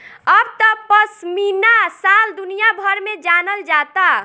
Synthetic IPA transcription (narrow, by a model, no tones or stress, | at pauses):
əbt̪ɔpəsminasald̪ʊnijabʱəɾmẽd͡ʒanəld͡ʒaːt̪a